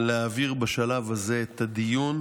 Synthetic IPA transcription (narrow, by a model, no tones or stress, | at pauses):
leaviʁbaʃalavaze̞et̪ad̪ijun